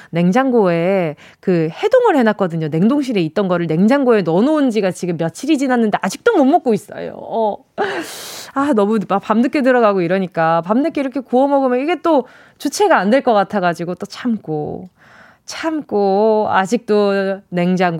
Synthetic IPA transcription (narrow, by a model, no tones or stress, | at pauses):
ne̞ŋd͡ʑaŋɡoe̞ | kɯhe̞doŋɯɭhe̞nak͈̚ʌdɯɲone̞ŋdoŋɕ̬ʰiɾe̞it̚t͈ʌnɡʌɾɯɭne̞ŋd͡ʑaŋɡoe̞nʌnound͡ʑiɡat͡ɕiɡɯmːjʌtt͡ɕʰiɾid͡ʑinanːɯnde̞ad͡ʑik̚t͈omʌmːok͈̚ois͈ʌ̰jo̰ʌ | anʌmumapamnɯk͈ʰe̞t̬ɯɾʌɣaɡoiɾʌɲik͈apamnɯk͈ʰeiɾʌkʰe̞kuʌmʌɡɯmjʌniɡe̞t͈o | t͡ɕut͡ɕʰe̞ɡaːndwe̞ɭk͈ʌk͈atʰaɡad͡ʑiɡot͈ot͡ɕʰamk͈o̰ | t͡ɕʰamk͈oa̰d͡ʑik̚t͈one̞ŋd͡ʑaŋɡ